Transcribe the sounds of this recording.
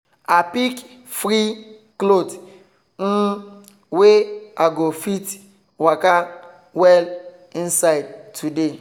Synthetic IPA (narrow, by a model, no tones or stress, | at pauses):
apik | fɾi | klod | n̩ | weaɡofit | waka | wɛl | ĩnsaɪd̚tʰude